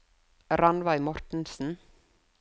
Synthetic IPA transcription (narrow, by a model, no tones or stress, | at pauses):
ɾanvajmɔɾ̥t̪n̩sn̩